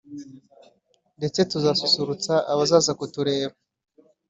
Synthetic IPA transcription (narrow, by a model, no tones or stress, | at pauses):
nde̞t͡se̞tuzaːsusuɾut͡saʔaβazaːzakutuɾe̞ːɾo